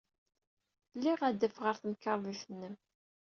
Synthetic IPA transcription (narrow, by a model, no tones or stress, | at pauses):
lːiʁæd̪ːəfʁəɾθəmkːɑɾˤðˤiθənːəm